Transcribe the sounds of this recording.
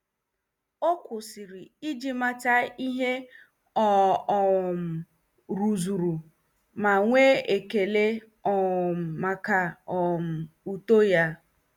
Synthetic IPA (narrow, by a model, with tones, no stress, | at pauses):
o˦kʷʊ˨sɪ˨ɾɪ˨i˦d͡ʒi˦ma˦ta˦i˦ɦe˦ | ɔ˨ | m̩˨ | ɾu˨zu˨ɾu˨ | ma˨ŋʷe˦e˨ke˨le˦ | ɔ˨m̩˨ma˨ka˨ɔ˨m̩˨u˨to˦ja˦